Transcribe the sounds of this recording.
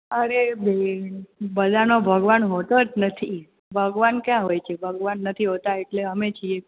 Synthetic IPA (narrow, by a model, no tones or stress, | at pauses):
əɾebe | bəd̪ʱanobʱəɡʋanɦot̪od͡ʒnət̪ʰi | bʱəɡʋankjãɦojt͡ʃʰebʱəɡʋanːət̪ʰiɦot̪aeʈleəmet͡ʃʰie